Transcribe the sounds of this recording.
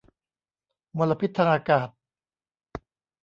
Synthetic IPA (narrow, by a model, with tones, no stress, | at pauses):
mo˧lːa˧pʰi˦˥t̪ʰːaː˧ŋʔaː˧kaː˨˩t̪̚